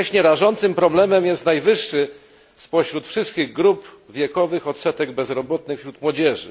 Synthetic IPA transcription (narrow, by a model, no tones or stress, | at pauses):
ɕɲɛɾaʐɔnt̪sɘmpɾɔblɛmɛmjɛst̪najvɘʂːɘ | spɔɕɾut̪fʂɘst̪̚kʲiɣɡɾup | vʲjɛkɔvɘxɔt̪sɛt̪ɛɡbɛzɾɔbɔt̪nɘxfɕɾut̪mwɔd͡ʑɛʐɘ̰